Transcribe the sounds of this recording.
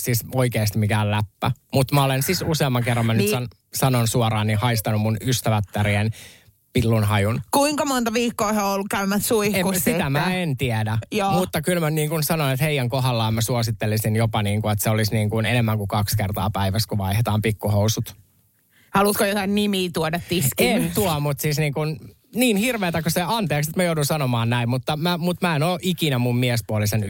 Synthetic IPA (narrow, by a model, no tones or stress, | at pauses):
sisoikeːst̪imikæːllæpːæmut̪mæolensisuseɑmːɑŋkerːɑmænːysɑn | sɑnonsuoɾɑːnːihɑist̪ɑnummunyst̪æʋæt̪ːæɾien | pilːunɦɑjunkuiŋkɑmont̪ɑʋiːkːoːheoolːukkæymːæssuihkussit̪æmæent̪iedæjoːmut̪ːɑkylmæniːŋkunsɑnoinet̪heijæŋkoɦɑlːɑːmmæsuosit̪ːelisinjopɑniːŋkuet̪seolisniːŋkunenemːæŋkukɑkskert̪ɑ̰ːpæiʋæskuʋɑ̰ihet̪ɑːmpikːuhousut̪ | hɑlut̪kojot̪ɑinnimiːt̪uodɑt̪d̪iskient̪uɑmut̪sisniːŋkun | niːnhirʋeːt̪ækoseɑnt̪eːkset̪mæjoudunsɑnomɑːnnæimmut̪ːɑmæmut̪mæenoːʔikinæmummiɛspuolisen